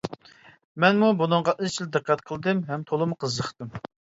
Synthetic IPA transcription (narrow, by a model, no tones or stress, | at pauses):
mɛnmubunɨŋʁɑʔizt͡ʃʰild̪ɨqʰːɑt̪qʰəlˠd̪ɨmɦɛmt̪ʰolˠɨmqʰəzːəχt̪ɨm